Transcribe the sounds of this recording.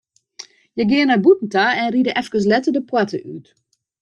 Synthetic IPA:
jəɡɪənabutn̩taɛnridəʔɛfkəs̬lɛtədəpwatʰəʔyt

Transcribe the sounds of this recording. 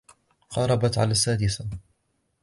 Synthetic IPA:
qɑɾˤɑbat̪ʕa̰laːsːaːd̪ɪsa

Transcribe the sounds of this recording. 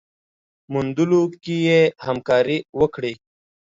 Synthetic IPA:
mund̪ulokijehamkɑːɾiwəkɽi

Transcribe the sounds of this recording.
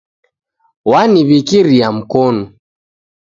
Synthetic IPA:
waniβikiɾiam̩kɔnɔ

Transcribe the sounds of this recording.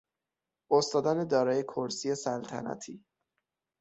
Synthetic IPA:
ost̪ɒːd̪æned̪ɒːɾɒːje̞kʰoɾsiːje̞sælt̪ʰæ̰næ̰t̪ʰiː

